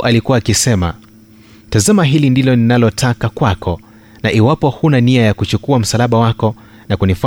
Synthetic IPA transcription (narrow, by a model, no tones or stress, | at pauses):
ʔalikuwaːkisɛma̰ | tazamaɦilindilɔninalɔtʰakakwakɔ | naʔiwapɔhunaniajakut͡ʃukuam̩salaɓawakɔ | nakunif